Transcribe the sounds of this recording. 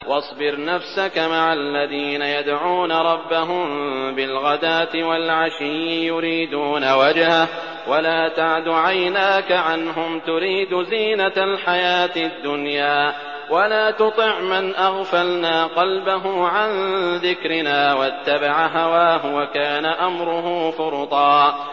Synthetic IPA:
wɑsˤbɪɾnafsakamaʕalːaðiːnajad̪ʕuːnaɾˤɑbːaɦʊmbɪlɣad̪aːt̪ɪwalʕaʃɪjɪjʊɾiːd̪uːnawad͡ʒha | walaːt̪aʕd̪ʊʕajnaːkaʕanɦʊmt̪ʊɾiːd̪ʊziːnalħajaːt̪ɪd̪ːʊnjaː | walaːt̪ʊt̪ˤɨʕmɪnʔaɣfalnaːqɑlbaɦʊʕanðɪkɾɪnaːwat̪ːabaʕaɦawaːɦʊwakaːnaʔamɾʊɦuːfʊɾt̪ˤɑː

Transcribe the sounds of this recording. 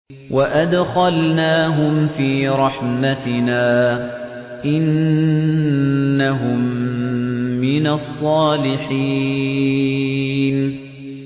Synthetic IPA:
waʔad̪xalnaːɦʊmfiːɾˤɑħmat̪ɪnaː | ʔɪn | aɦʊmː | ɪnɑsˤːɑːlɪħi | n

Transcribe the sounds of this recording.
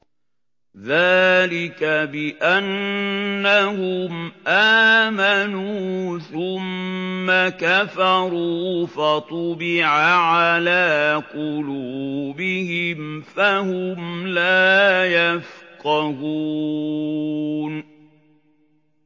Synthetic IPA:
ðaːlɪkabɪʔanː | ahʊmʔaːmanuːθʊmːakafɑɾuːfat̪ˤʊbɪʕaʕalaːqʊluːbɪhɪmfahʊmlaːjafqɑhuː | n

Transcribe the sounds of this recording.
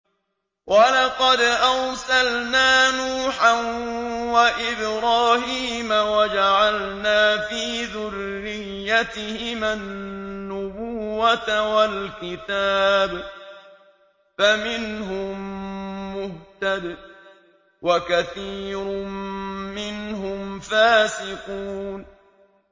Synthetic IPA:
wʔalɑqɑd̪ʔawsalnaːnuːħanwaʔɪbɾɑːhiːmawad͡ʒaʕalnaːfiːðʊrːɪjːat̪ɪhɪmanːʊbʊːat̪walkɪt̪aːb | famɪnɦʊmː | ʊht̪ad̪ | wʔakaθiːɾʊ | mɪnɦʊmfaːsɪquːn

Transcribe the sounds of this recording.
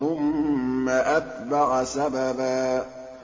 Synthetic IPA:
ʊmːaʔat̪̚baɣsababaː

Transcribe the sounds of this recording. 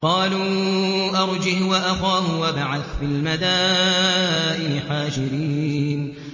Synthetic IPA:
qɑːluːʔɑɾˤd͡ʒɪhwaʔaxaːhʊwabaʕaθfɪlmad̪aː | ʔɪɪħaːʃɪɾiːn

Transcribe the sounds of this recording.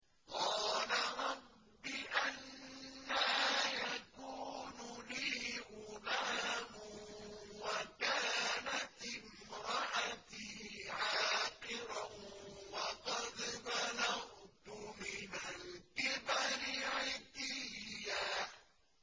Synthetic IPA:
qɑːlaɾˤɑbː | ɪʔanː | ajakuːnʊliːʔʊmaːmʊ | wakaːnat̪ɪm | ɾɑʔat̪iʕaːqɪɾawɑqɑd̪manaʔt̪ʊmɪnalkɪbaɾɪʕɪt̪ɪːaː

